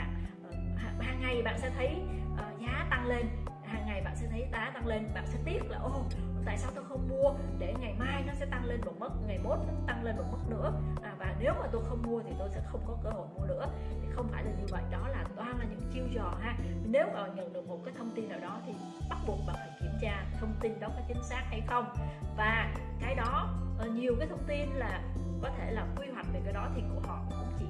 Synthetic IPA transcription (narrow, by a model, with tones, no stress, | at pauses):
a̰ː˧˨nʔəː˨˩haː˨˩ɦaː˨˩ŋːa˨˩jɓa̰ː˧˨nsɛ̰˧˥t̪ʰə˨˦jʔəː˨˩zaː˨˦t̪a˧ŋle˧n | haː˨˩ŋːa˨˩jɓa̰ː˧˨nsɛ̰˧˥t̪ʰə˨˦jt̪aː˨˦t̪a˧ŋle˧nɓa̰ː˧˨nsɛ̰˧˥t̪i˦˥ət̚laː˨˩ʔo˧˨˩t̪a̰ː˧˨jsaː˧wt̪o˧jxə˧wŋ͡mmu˧əɗe˧˩ŋa˨˩jmaː˧jnɔ˨˦sɛ̰˧˥t̪a˧ŋle˧nmo˨˩t̚mə˦˥t̚ŋa˨˩jmo˨˦˥t̚kɨ˨˦˥t̪a˧ŋle˧nmo˨˩t̚mə˦˥t̚nɨ̰˧˥əʔaː˨˩vaː˨˩ne˨˦wmaː˨˩t̪o˧jxə˧wŋ͡mmu˧ət̪ʰi˨˩t̪o˧jsɛ̰˧˥xə˧wŋ͡mkɔ˨˦kəː˧˩ho̰˧˨jmu˧ənɨ̰˧˥ət̪ʰi˨˩xə˧wŋ͡mfaː˧˩jlaː˨˩ɲɨ˧və̰˧˨jɗɔ˨˦laː˨˩t̪waː˧nlaː˨˩ɲɨ̰˧˥ŋt͡ɕi˧əwzɔ˨˩ɦaː˧˨˩ne˨˦wmaː˨˩ɔ̰˨˩ɲə̰˧˨nɗɨ˨˩ək̚mo˨˩t̚kaː˨˦jt̪ʰə˧wŋ͡mt̪i˧nɗaː˨˩wɗɔ˨˦t̪ʰi˨˩ | ɓa˦˥t̚ɓu˨˩ət̚ɓa˨˩ŋa˨˩jki˧˩əmt͡ɕaː˧˨˩t̪ʰə˧wŋ͡mt̪i˧nɗɔ˨˦kɔː˨˦jt͡ɕï˨˦ŋ̟saː˦˥k̚ha˧jxə˧wŋ͡mvaː˨˩kaː˨˦jɗɔ˨˦˨ɲi˨˩əwkaː˨˦jt̪ʰə˧wŋ͡mt̪i˧nlaː˨˩ | kɔ˨˦t̪ʰe˧˩laː˨˩kwi˧ɦwa˨˩k̟̚ve˨˩kaː˨˦jɗɔ˨˦t̪ʰi˨˩kʊ̰˧˩əɦɔ̰˧˨˧kʊ̰˧˥ŋ͡mt͡ɕḭ˧˨